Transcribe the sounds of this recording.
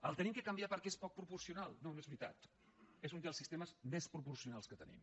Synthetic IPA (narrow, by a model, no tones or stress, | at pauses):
ə̰lˠt̪ənimkəkəmbjapəɾkɛespɔk̚pɾupuɾsiunalˠnoezβɾit̪a̰t̪ | ezund̪əlˠsist̪eməzmespɾupuɾsiunalˠskət̪ənḭm